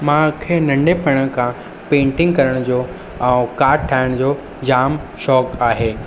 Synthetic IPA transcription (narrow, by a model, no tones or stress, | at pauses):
mãkʰeːnɐ̃ɳɖepʰɐɽ̃əkʰã | pẽːɳʈɪ̃ŋɡkɐɾəɽ̃d͡ʑoː | ɛ̃kaːɾʈ̚ʈʰaːɪɽ̃d͡ʑoː | d͡ʑaːmʃɔːkaːɦeː